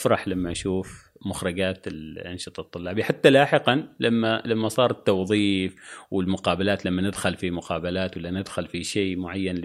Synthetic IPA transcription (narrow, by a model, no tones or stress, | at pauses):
fɾˤɑħlamːaʔaʃuːf | mʊxɾɪɡaːt̪ɪlʔanʃɨt̪ˤɑt̪ˤːʊlːɑːbiħat̪ːalaːħɪqɑnlamːalamːasˤɑːɾˤt̪ːɑwðˤiːfwɪlmʊqɑːbalaːt̪lamːanɪd̪xʊlfimʊqɑːbalaːt̪walːanɪd̪xʊlfiʃeːmʊʕajːanl